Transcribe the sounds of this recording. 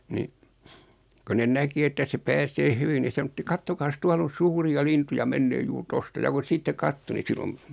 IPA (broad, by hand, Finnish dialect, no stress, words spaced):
ni ko nen næki etːæ se pæːseː hyʋi ni sɑnotːi kɑtːokɑːs tuɑl on̞ suːriɑ lintujɑ menːeː juːr tostɑ jɑ kun̞ sitːe kɑtːo ni silom